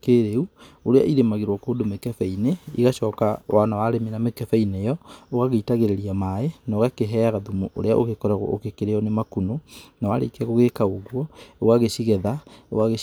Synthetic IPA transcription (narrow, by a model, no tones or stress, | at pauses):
keɾeuoɾea̰ʔiɾemaɣeɾwɔkoːdomekɛfɛineiɣaɕɔːkawanawaɾemenamekɛfɛinejɔoɣaɣeitaɣeɾeɾiamaenoɣakeɦɛaɣaðumuʔo̰ɾea̰ʔoɣekɔɾaɣw̰ʔo̰kekeɾeɔnemakunonawa̰ɾḛkɛɣoɣekaoɣwɔewaɣeɕiɣɛðawaɣe